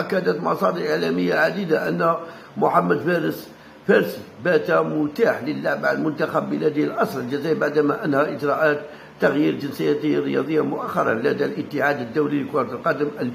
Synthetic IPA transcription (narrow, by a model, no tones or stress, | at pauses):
ʔækːæd̪ət̪mɑsˤɑd̪əɾʔəʕlæməjːaʕad̪id̪aʔə̰nːæ | mʊħamːæd̪fæɾəs | fæɾsbæt̪æmʊt̪aħləlːaʕbaʕlmʊnt̪axæbːəlæd̪ijlʔɑsˤɾəld͡ʒəzæbaʕd̪æmæʔənːhæʔəd͡ʒɾˤɑʔæt̪ː | aɣjiɾd͡ʒənsəjːæt̪ərːəjɑd̪ˤəjːamʊʔæxːɑɾˤɑ̰læd̪ælʔət̪ːəʕad̪əd̪ːæwliləkʊɾˤɑt̪əlqɑd̪əmʔəl